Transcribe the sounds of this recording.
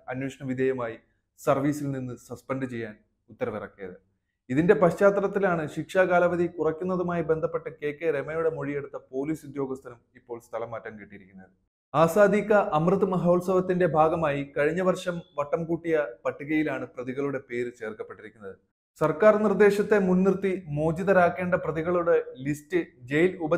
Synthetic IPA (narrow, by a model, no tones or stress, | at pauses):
ɐnweːʂɐɳɐʋid̪ʱɐjɐmaːji | sɐrʋiːsilninːɨsɐspɐnɖɨt͡ɕe̞jːaːn | ut̪ːɐɾɐʋirɐ̰kːijɐðɨ | iðinde̞pɐɕt͡ɕaːt̪rɐt̪ːilaːɳɨɕikʂaːkaːlɐʋɐðikurɐkʲːunːɐðumaːjibe̞nd̪ʱɐpːe̞ʈːɨke̞ːkːeɾemɐjuɽe̞mo̞ɻije̞ɽut̪ːɐpo̞ːliːsud̪joːɡɐst̪ʰːɐnɐmipːo̞ːɭst̪ʰɐlɐmːaːtːɐmkiʈːijiɾikʲːunːɐðɨ | aːsaːd̪ʱikːɐʔɐmrɨt̪ːɨmɐɦɐːlsɐʋɐt̪ːinde̞bʱaːɡɐmaːjikɐɻiɲːɐʋɐrʂɐmʋɐʈːɐmkuːʈːijɐpɐʈːuɣɐjilaːɳɨprɐðiɣɐɭuɽe̞pe̞ːɾɨt͡ɕe̞ːrkɐpːeʈːiɾikʲːunːɐðɨ | sɐrkaːrnird̪e̞ːɕɐt̪ːe̞munːirt̪ːimo̞ːd͡ʑiðɐɾaːkːe̞ːɳɖɐprɐðiɣɐɭuɽe̞listɨd͡ʑe̞jlubɐ